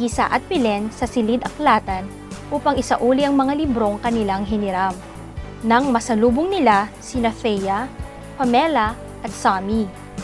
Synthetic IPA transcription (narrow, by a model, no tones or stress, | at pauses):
isa̰ʔɐt̪̚pɪlɛnsɐsɪlid̪ɐklaːt̪ɐn | ʔuːpɐŋʔɪsaʔuːliʔɐŋmɐŋalɪbɾo̞ŋkɐnɪlaŋɦɪnɪɾam | nɐŋmɐsɐluːboŋnɪlasɪnɐfɛjɐ | pɐmɛlɐ | ʔɐt̪̚sami